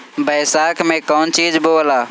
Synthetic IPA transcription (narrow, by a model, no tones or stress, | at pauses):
bəːsaːkʰmẽkɔːnt͡ʃiːd͡ʒboːlaː